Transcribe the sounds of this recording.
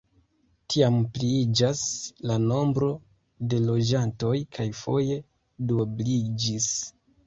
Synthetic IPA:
tʰiampliid͡ʒaslano̞mbɾo̞ | de̞lo̞d͡ʒanto̞jkʰajfo̞je̞ | doblid͡ʒis

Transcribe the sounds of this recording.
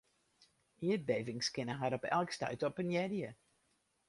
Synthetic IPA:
iət̚beːvɪŋskɪnəɦaɾɔpɛ̰lˠkstœ̰ɥtɔpənjɛdjə

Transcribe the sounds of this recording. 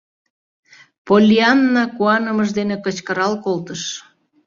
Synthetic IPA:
polʲiɑnːɑkuɑnəməʒd̪enekət͡ɕkəɾɑlkolt̪əʃ

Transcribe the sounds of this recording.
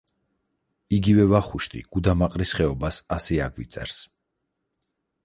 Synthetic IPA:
iɡivɛvaχuʃt̪ʰʼḭɡ̥ud̪amaqʼɾisχɛɔbasasɛaɡvit̪sʼɛ̰ɾs

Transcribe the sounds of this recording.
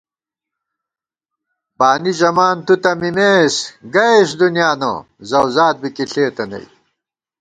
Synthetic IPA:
baːnid͡ʑɐmaːnt̪ut̪ɐmimeːsɡɐeɕd̪unjaːnɐ̰ | zɐwzaːt̪̚bikiɬeːt̪ɐnɐ̰j

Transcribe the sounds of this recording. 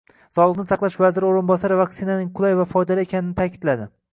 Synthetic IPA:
sɒlˠɨqnɪsɑqlˠaʃvazɪɾɪoɾɪnbɒsaɾɪvaksɪnanɪŋqʰʊlˠajvafɒjd̪alaekʲʰanɪnɪt̪ʰakʲʰɪ̥d̪̥lad̪ɪ

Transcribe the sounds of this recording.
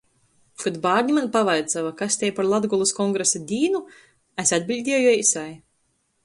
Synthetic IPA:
kɔd̪baːɾɲʲimanpavajt̪savakasʲt̪ʲɛjpaɾlˠad̪ɡɔlˠuskɔŋɡɾesad̪ʲiːnu | æsʲad̪̚ʲbʲilʲd̪ʲiɛwjujisaj

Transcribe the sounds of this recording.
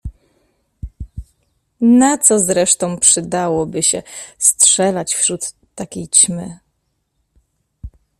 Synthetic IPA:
nat̪sɔzɾɛʂt̪ɔ̃w̃pʂɘd̪awɔbɘɕɛ̰stʂɛlat͡ɕfɕɾut̪ːakʲejt͡ɕmɘ

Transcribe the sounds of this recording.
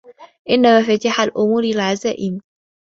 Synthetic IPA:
ʔɪnːamafat̪aħalʔʊmuːɾalʕazaːʔɪm

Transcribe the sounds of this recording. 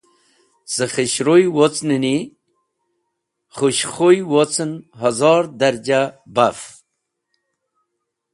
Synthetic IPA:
z̥əχəɕɾojwot͡snəni | χuɕχojwot͡sənɦazɑɾd̪aɾd͡ʑabaf

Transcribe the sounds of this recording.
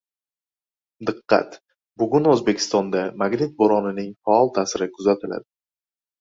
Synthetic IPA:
d̪ɨqːɑ̰t̪ | bʊɡʲʊnɵzbe̞kʲʰɪ̥st̪ɒnd̪amaɡnɪt̪̚boɾɒnɪnɪŋfaɒlˠt̪ʰaːsɪɾɪkʰʊzat̪ʰɪla̰d̪ɪ

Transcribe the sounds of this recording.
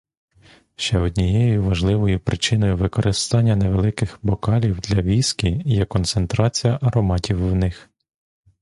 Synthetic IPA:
ʃt͡ʃɛɔd̪ʲnʲijɛjjʊʋɐʒlˠɪʋɔjʊpɾʔɪt͡ʃɪnɔjʊʋɪkɔɾʔɪst̪ɑnʲːɐneʋelˠɪkɪxbɔkɑlʲiwd̪lʲɐʋʲiskʲijɛkɔnt̪sent̪ɾɑt͡sʲijɐʔɐɾɔmɑtʲiwːnɪx

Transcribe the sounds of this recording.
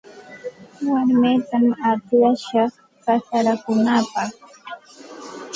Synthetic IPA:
waɾmeːt̪amat̪ɪjaʃɑχ | kasaɾakʊnapɑχ

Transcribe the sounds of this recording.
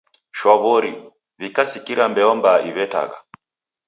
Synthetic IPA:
ʃwaβɔɾi | vikasikiɾambɛɔmbaʔiβɛta̰ɣa̰

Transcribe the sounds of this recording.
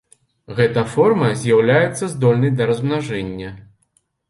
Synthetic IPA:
ɣɛt̪ɐfɔrmɐzʲjawlʲajɛt̪sːɐzd̪ɔlʲnɐjd̪ɐɾɐzmnaʐɛnʲːɐ

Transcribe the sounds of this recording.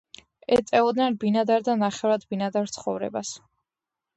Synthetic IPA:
ɛt̪ʼɛɔd̪nɛnbinad̪aɾd̪anaχɛvɾad̪binad̪aɾt̪sʰχɔvɾɛ̰bas

